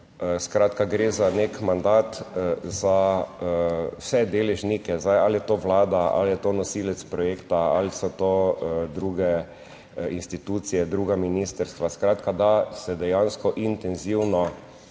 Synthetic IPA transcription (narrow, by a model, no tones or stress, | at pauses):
skɾat̪kaɡɾeːzanekmand̪at̪za | wsɛd̪eːlɛʒnikɛzajaljɛt̪oːʋlaːd̪aa̰ljɛt̪oːnɔsiːlɛt̪spɾɔjeːkt̪aalisɔt̪od̪ɾuːɡɛ | inst̪it̪ut̪sijɛd̪ɾuːɡaminist̪əɾst̪ʋaskɾaːt̪kad̪asɛd̪ɛjanskɔʔint̪ɛnziwnɔ